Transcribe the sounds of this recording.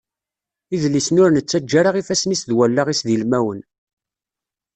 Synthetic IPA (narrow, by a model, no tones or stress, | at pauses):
iðlːisnʊɾnət͡sːæd͡ʒːaɾaʁifæsnisðwælːaʁisðilmæwən